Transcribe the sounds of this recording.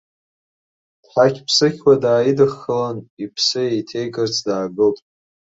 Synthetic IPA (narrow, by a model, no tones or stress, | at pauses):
d̥ħakʲʰpʰsɨkʲwadaːjidɨχːəlanipʰsɨjejtʰe̞jɡɨrt͡sʰdaːɡɨltʼ